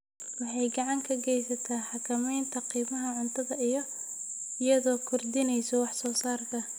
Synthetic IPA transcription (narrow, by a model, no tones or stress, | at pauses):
wɑħɑjɡɑʕɑŋkʰɐɡɛjsɐt̪ʰaːħɑkʰɐmɛjnt̪ʰɐqiːmɐɦɐʕʊnt̪ʰɐðɐʔijɔ | ɪjɐðɔːkʰɔrd̪ɪnɛjsɔwɑħsɔːsaːrk̪ʰɐ